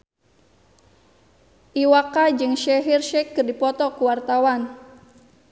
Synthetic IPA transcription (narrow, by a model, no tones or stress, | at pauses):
ʔiwakad͡ʒɨŋʃɛɦirʃɛkːɨrdipɔt̪ɔkuwart̪awan